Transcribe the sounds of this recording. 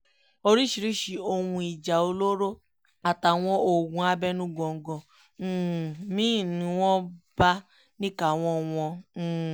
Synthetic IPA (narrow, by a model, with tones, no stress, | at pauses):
o˧ɾi˦ʃi˧ɾi˦ʃi˧o˧wũ˧i˨d͡ʒa˨o˧lo˦ɾo˦ | a˨ta˨w̃ɔ̃˧o˨ɡũ˧˦a˧bɛ˦nũ˦ɡɔ̃˧˨ŋ̩˨˦ɡɔ̃˧˦˨ | mĩ˦˨nĩ˨˦w̃ɔ̃˦ba˦ | nĩ˦ka˨w̃ɔ̃˧˦w̃ɔ̃˧˦˨